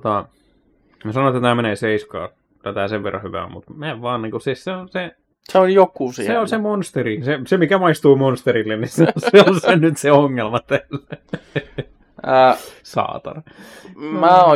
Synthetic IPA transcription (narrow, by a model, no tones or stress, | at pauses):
t̪ɑ | mæsɑnoˑet̪ːæt̪æːmeneˑseiskɑ̰ː | t̪æt̪æseʋʋerːɑ̰hyʋæ̰mṵt̪mæeʋʋɑːnniːŋkosisseonse | seoljokːusiseolsemonst̪erisesemikæmɑist̪uːmonst̪eɾilːenniseseonsennyt̪seoŋːelmɑt̪ælæ | sɑ̰ːt̪ɑ̰re | mæːo